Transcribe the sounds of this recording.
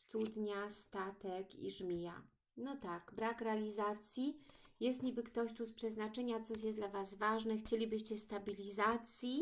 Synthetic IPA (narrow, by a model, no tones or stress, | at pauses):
st̪ud̪ɲast̪at̪ɛkḭʐmʲija̰ | nɔt̪akbɾakɾɛalʲizat̪sʲji | jɛst̪ɲʲibɘkt̪ɔɕt̪uspʂɛznat͡ʂɛɲat̪sɔɕ̬jɛsd̪lavazvaʐnɛxt͡ɕelʲibɘɕt͡ɕɛst̪abʲilʲizat̪sʲji